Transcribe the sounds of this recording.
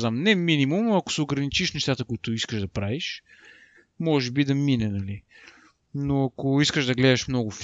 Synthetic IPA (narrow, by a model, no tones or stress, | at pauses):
zamnɛminimumɐkʊ̥sɛoɡɾɐnit͡ʃiʃnɛʃt̪at̪əkʊit̪ʊiskəʒd̪ɐpɾaviʃ | mɔʒɛbid̪ɐminɛnɐli | noɐkoiskəʒd̪ɐɡlɛd̪ɐʃmnɔɡʊf